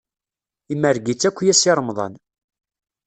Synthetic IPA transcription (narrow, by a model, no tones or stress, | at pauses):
imːəɾɡit͡sːækʷːjæsiɾˤəmðˤɑ̰n